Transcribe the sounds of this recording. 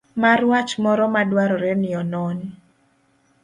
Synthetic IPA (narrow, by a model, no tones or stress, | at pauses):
marwat͡ʃmɔɾɔmadwaɾɔɾɛnɪɔnɔn